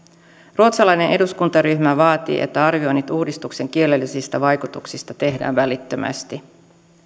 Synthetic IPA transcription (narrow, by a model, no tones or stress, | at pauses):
ruot̪sɑlɑjne̞nʔe̞duskunt̪ɑɾyçmæʋɑːt̪ḭːʔe̞̰t̪ːæɑrʋio̞nit̪uːdist̪ukse̞ŋk̟ie̞lːe̞lːisist̪æʋɑjkut̪uksist̪ɑt̪e̞ɦdæ̰ːnʋælit̪ːømʔæ̰st̪i